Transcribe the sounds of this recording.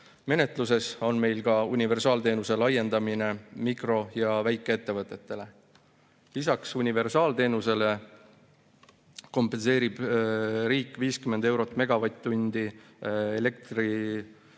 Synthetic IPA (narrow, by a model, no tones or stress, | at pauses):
me̞ne̞t̪ˑluse̞so̞nme̞jlɡɑunʲive̞rsɑːlt̪e̞ːnuse̞lɑjːe̞nd̪̥ɑmine̞mikro̞jɑvæjkːˑee̞t̪ːe̞vɤt̪ːˑe̞t̪ːe̞le̞ | lisɑksunʲive̞rsɑːlt̪e̞ːnuse̞le̞ | ko̞mpːˑe̞nse̞ːɾib̥ɾiːkːˑviːskymːe̞nd̪e̞wɾo̞t̪ːˑme̞ɡ̥ɑvɑjt̪ːunʲd̪̥i | ele̞k̚t̪ri